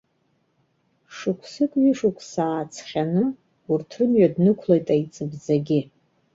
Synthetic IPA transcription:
ʂɨkʷʰsɨkʼɥiʂukʷʰsaːt͡sʰχʲanɨ | urtʰrɨmɥadnɨkʷʰlojtʼajt͡sʼɨbzaɡʲɪ

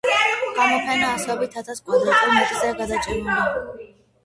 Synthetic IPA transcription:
ɡ̥amɔpʰɛnaːsɛɔbit̪ʰat̪ʰaskʼwɛd̪at̪ʼumit̪ʼzɛɡad̪at͡ʃʼɛnula

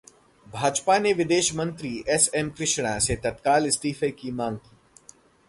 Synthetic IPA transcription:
bʱaːd͡ʒpaneʋɪd̪eːʃmə̃nt̪ɾiʔɛsɛmkɾɪʃɽ̃ãset̪ɐt̪kaːlɪsʈiːfekimãːŋɡkiː

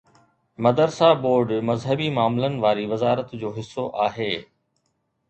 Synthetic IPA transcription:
mɐd̪əɾsaboːɾɖmɐzɦəbimaːmlənɪ̆ʋaːɾiʋɐzaːɾət̪d͡ʑoːɦɪsːoʔaːɦeː

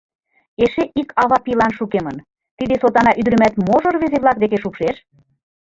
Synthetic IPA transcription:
eʃeʔikɑβɑpilɑnʃukemə̆n | t̪id̪esot̪ɑnɑʔyd̪ɾə̆mæt̪moʒorβezeβlˠɑk̚d̪ek̬eʃukʃeʃ

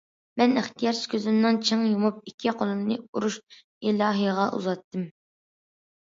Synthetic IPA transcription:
mɛnɪχt̪ijɑɾskʲʰøzɪnnɨŋt͡ʃʰəŋjumup̚ikʲʰːiqʰolˠɨmnɨuɾuʃ | ilˠɑːɦɨjʁɑʔṵzɑt̪ːɨm

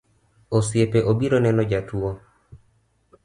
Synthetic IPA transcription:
osjepeʔobiɾonɛnɔd͡ʒatuo

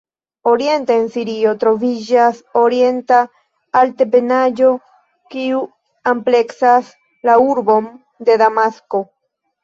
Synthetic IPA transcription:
o̞ɾije̞nteensiɾio̞tɾo̞vid͡ʒasoɾie̞ntaː | ltepe̞nad͡ʒo̞ | kiu | ample̞ksas | lauɾbo̞m | de̞damasko̞

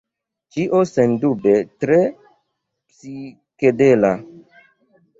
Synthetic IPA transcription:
t͡ʃiʔosendubetɾe | psi | kedela

